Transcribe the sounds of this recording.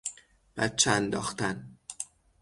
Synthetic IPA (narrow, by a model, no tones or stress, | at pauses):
b̥æt̪̚t͡ʃʰeænd̪ɒ̰ːxt̪ʰæn